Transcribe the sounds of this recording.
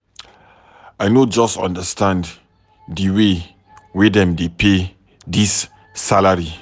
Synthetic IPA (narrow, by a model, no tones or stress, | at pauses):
ajnod͡ʒɔsɔ̰̃ndəstãnd | diwe | wedɛ̃mdepe | disː | alaɹi